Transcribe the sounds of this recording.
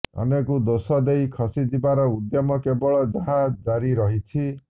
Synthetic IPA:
ɔ̰nekud̪osɔd̪ejkʰɔsid̪ibaɾɔud̪jɔmɔkebɔɭɔd͡ʒaɦad͡ʒaɾiɾɔɦit͡ʃʰi

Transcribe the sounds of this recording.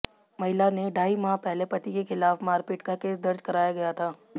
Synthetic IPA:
mɐɦɪlaneɖʱaːimaːpɛɦlepɐt̪ikexɪlaːfmaːɾpɪʈkakeːsd̪ɐɾd͡ʒkɐɾaːjaɡɐjat̪ʰaː

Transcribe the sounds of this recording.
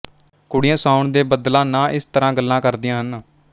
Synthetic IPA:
kʊɽɪjãːsaːʊɳd̪eːbəd̪lãːnãːʔɪst̪əɾãːɡəlːãːkəɾd̪ɪjãːɦən

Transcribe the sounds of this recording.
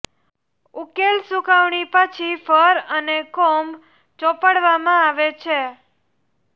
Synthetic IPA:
ukelsukaʋɳipət͡ʃʰifəɾənekɔmb | t͡ʃɔpəɽʋamãaʋet͡ʃʰe

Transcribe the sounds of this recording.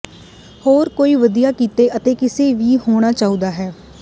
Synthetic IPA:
hoːɾkoːiːʋəd̪ijaːkiːt̪eːʔət̪eːkɪseːʋiːhoːɽ̃aːt͡ʃaːũːd̪aːɦɛː

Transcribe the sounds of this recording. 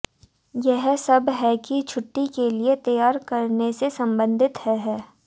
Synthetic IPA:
jɛɦsɐbɦɛkit͡ʃʰʊʈːikeliet̪ɐjaːɾkɐɾnesesɐ̃mbə̃nd̪ʱɪt̪hɛɦɛː

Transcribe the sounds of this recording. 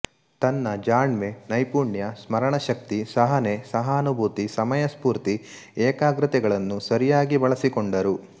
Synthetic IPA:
t̪ɐnːɐd͡ʒaːɳʋenɐjpuːɳjɐsmɐɾɐɳɐʃɐk̚t̪isɐɦɐnesɐɦɐːnubʱuːt̪isɐmɐjɐspuːɾt̪ieːkaːɡɾɨt̪ɛɡɐɭɐnːusɐɾijaːɡibɐɭɐsikoɳɖɐɾu

